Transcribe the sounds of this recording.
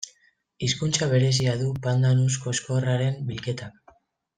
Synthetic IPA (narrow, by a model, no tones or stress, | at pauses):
iskunt͡saβ̞e̞ɾe̞s̬iaðupand̪anusko̞esko̞raɾe̞mbilke̞t̪ak